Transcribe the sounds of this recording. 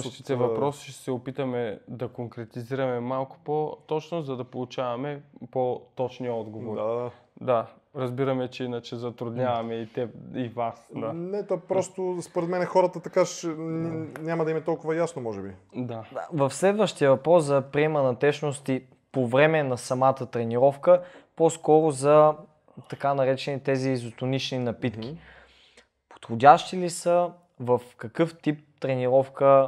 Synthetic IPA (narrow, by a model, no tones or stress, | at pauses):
ʃt̪it̪ɛvɐpɾɔsi̥ʃt̪ɛ̥sɛopit̪ɐmɛd̪ɐkoŋkɾɛt̪iziɾɐmɛmalˠkʊ̥pot̪ɔt͡ʃnozɐd̪ɐpolˠut͡ʃavɐmɛpot̪ɔt͡ʃniəɔd̪ɡovoɾ | d̪a | ɾɐzbiɾɐmɛt͡ʃɛinɐt͡ʃɛzɐt̪ɾʊd̪nɲʲavɐmɛit̪ɛivasd̪anɛt̪opɾɔst̪ospoɾɛd̪mɛnɛxɔɾət̪ət̪ɐkaʃnɛnʲamɐd̪ɐimɛt̪ɔlˠkʊvɐjasnomɔʒɛbid̪aavɐfslɛd̪vəʃt̪ijəvɐpɾɔszɐpɾiɛmənɐt̪ɛʃnost̪i | povɾɛmɛnɐsɐmat̪ət̪ɾɛniɾɔfkəposkɔɾʊzɐ | t̪ɐkanɐɾɛt͡ʃɛnit̪ɛziːzot̪ʊnit͡ʃninɐpit̪k̟i | po̥t̪xodʲaʃt̪ilisə | vɐfkɐkɤft̪ip̚t̪ɾɛniɾɔfkə